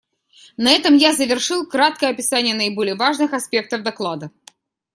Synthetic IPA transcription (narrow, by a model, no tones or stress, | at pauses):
nɐɛt̪əmjazəvʲɪrʂɨlˠkɾat̪̚kəjəɐpʲɪsanʲɪjənəɪbolʲɪjəvaʐnɨxɐspʲe̞k̚t̪əvd̪ɐklˠad̪ə